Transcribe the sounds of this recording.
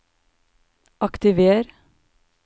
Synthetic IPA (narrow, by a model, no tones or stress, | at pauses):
ʔɑkt̪ɪʋeːɾ